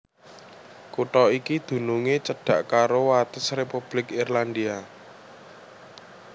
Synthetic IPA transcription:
kuʈɔikid̪̥ṳnuŋet͡ʃəɖ̥a̤ʔkaɾowat̪əsrepub̥lɪkirland̪ia

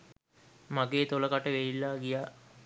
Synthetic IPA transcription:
maɡeːt̪oləkaʈəʋeilːaːɡija

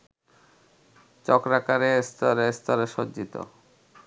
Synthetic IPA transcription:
t͡ɕɔkɾakaɾest̪ɔɾest̪ɔɾeʃodd͡ʑit̪o̰

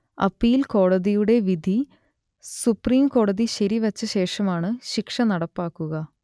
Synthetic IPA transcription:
ɐ̰pːijilko̞ːɽɐðijuɽe̞ʋid̪ʱi | supriːmko̞ːɽɐðiɕɐɾiʋɐt͡ɕːɐɕe̞ːʂɐmaːɳɨɕikʂɐnɐɽɐpːaːkːuɣɐ

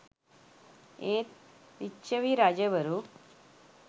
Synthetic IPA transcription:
et̪ | ʋiɕəʋiɾad͡ʑəbəɾuː

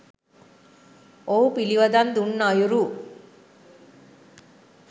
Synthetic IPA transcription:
owpiliʋɐd̪ɐnd̪unːajuɾu

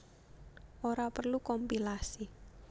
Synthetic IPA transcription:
ʔoɾapərlukɔmpilasi

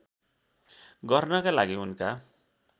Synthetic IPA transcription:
ɡʌrnʌkalaɡiunka

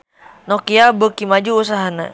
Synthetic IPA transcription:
nɔkiabəkimad͡ʒuːsaɦana̰

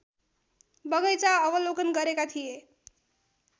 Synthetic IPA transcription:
bʌŋʌjt͡saʌbʌlokʌnɡʌɾekat̪ʰije

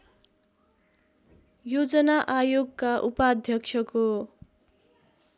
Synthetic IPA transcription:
jod͡zʌnaʔajoɡkaʔupad̪ʱjʌkt͡sʰʌko

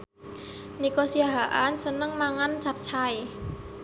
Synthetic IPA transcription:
nikosiaɦaʔansənəŋmaŋant͡ʃap̚t͡ʃʰaj

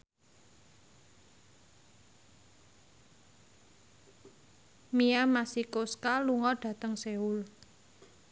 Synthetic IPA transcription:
miamasikoskaluŋɔɖ̥ä̤t̪əŋseul

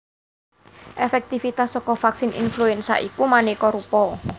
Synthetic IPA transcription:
ʔefɛk̚t̪ifit̪asːɔkɔfaksinḭnfluɛnsa̰ʔikumanekɔɾupɔ

